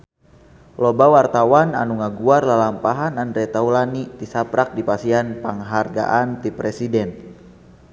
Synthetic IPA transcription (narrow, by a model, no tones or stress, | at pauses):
lɔbawart̪awana̰nuŋaɡuarlalampaɦanandɾɛt̪aulanit̪isapɾak̚dipasianpəŋɦarɡa̰ʔant̪ipɾɛsidɛn